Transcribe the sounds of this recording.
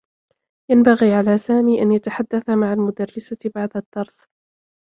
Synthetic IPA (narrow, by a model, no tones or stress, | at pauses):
janbaɣiːʕalaːsaːmiːʔanjat̪aħad̪ːaθamaʕalmʊd̪arːɪsabaʕd̪ad̪̥ːɑɾˤs